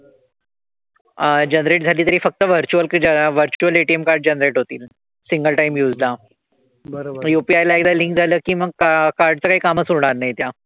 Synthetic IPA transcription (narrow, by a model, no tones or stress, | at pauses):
d͡ʑənɾeʈ̚d͡zʱaliːt̪əɾiːfək̚t̪əʋəɾt͡ɕuəlkːəʋəɾt͡ɕuəleʈiemkaɾɖ̚d͡ʑənɾeʈɦot̪iːl | siŋɡəlʈaimjud͡zla | bəjupiajlaeɡd̪aliŋkd͡zʱaləːkiːməɡ̚kkaɾɖt͡səːkaɦiːkaməsuɽ̃aɾnajt̪ja